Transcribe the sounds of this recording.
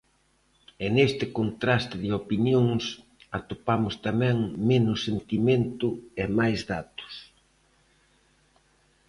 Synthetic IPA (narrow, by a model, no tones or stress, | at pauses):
enest̪ɪkont̪ɾast̪ɪðɪopinjoŋs | at̪opamʊst̪amɛ̃ŋmenʊsent̪imẽnt̪ʊemajzðat̪ʊ̥s